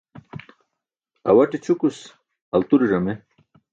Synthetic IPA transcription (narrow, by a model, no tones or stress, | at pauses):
ɐ̰wɐʈit͡ɕʰukus | ɐlt̪uɾiʐɐme